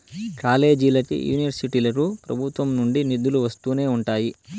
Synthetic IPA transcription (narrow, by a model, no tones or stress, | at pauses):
kaːle̞ːd͡ʒilɐkḭjṵːniʋɐɾsiʈilɐɾupɾɐbʱut̪ʋɐmnuɳɖinid̪ːuluʋɐst̪uːne̞ːuɳʈaːji